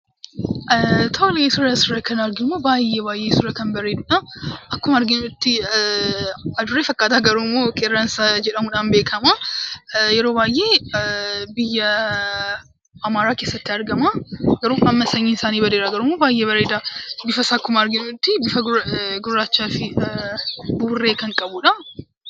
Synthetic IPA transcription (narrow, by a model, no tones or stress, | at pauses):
t̪ʰɐlesʊrɐsʊɾɐkɐnɐɾɡɪʊmːoːbaːjːeːbaːjʔeːsʊrɐkɐnbɐɾeːd̪ʊᶑaʔɐkːʊmɐɐɾɡɪnʊt̪ːɪ | ɐd̪ʊɾːeːfɐkʼːaːt̪aːɡɐɾuːmːoːkʼɛːrːɐnsad͡ʒɛᶑɐmuᶑaːnbeːkʰɐmaː | jɛɾoːbaːjʔe̞ː | bɪjːɐ | ɐmaːɾaːke̞ːsːɐt̪ːɪɐɾɡɐmaːɡɐɾuːɐmːɐsɐɲːiːnɪsaːniːbɐd̪eːɾaːɡɐɾuːmːoːbaːjʔeːbɐɾeːd̪abɪfɐsaːkːʊmɐɐɾɡɪnʊt̪ːɪbɪfɐɡʊrːaːt͡ʃːaːfɪ | buːrːe̞ːkɐŋkʼɐbuᶑɐ